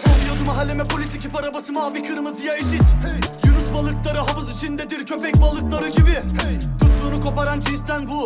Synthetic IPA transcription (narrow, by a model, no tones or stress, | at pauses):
olˠijod̪umaɦalʲːe̞mɛpʰo̞lʲisicʰipaɾabasɯmaːvikʰɯɾmɯzɯjaiʃit̪jynusbalˠɯklˠaɾɯɦavɯzit͡ʃʰind̪ɛd̪iɾcʰø̞pɛc̚balˠɯklˠaɾɯɟibɪt̪ʰut̪ˠuːnukʰo̞paɾand͡ʒʰinst̪ʰænbu